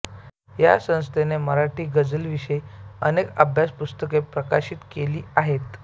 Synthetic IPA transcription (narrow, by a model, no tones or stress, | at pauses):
ja̰sə̃w̃st̪ʰeneməɾaʈʰiːɡəd͡zəlʋiɕəjənekə̰bʱjaspust̪əkepɾəkaɕiːt̪keliːaɦet̪